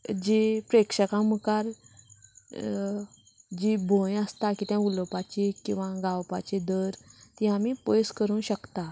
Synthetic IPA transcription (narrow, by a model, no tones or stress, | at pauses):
d͡ʑipɾekʂəkãməkaɾ | d͡ʑibʱõjəst̪akiːt̪jãuləpat͡ɕikĩw̃ʋãɡawpat͡ɕid̪əɾt̪ĩamipojskəɾũːɕəkt̪a